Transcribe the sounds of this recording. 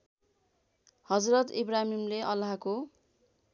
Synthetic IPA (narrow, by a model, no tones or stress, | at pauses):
hʌd͡zrʌt̪ḭbramimleʔʌlaɦko